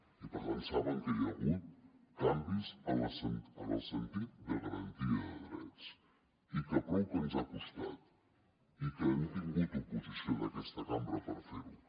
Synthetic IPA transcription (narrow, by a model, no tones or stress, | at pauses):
ipəɾβənsaβəŋkəjəɣut̪̚kambizələsənələ̰lˠsənt̪it̪̚d̪əɣəɾənt̪iəððɾɛt͡s | ikəpɔwkənzakust̪at̪ | ikənt̪iŋɡut̪upuzisiod̪əkɛst̪əkambɾəpəɾfeɾu